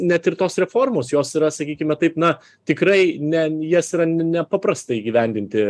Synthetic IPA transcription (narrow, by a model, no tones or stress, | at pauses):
nʲɛt̪ɪrt̪oːsɾʲɛfoːrmoːsjoːsiɾɐsɐkʲiːkʲɪmʲɛt̪ɐɪpnɐ | t̪ʲɪkɾɐɪnʲɛjiɛsiɾɐnʲnʲɛpɐpɾɐst̪ɐɪiːɡʲiːʋʲɛnʲd̪ʲɪnʲt̪ʲɪ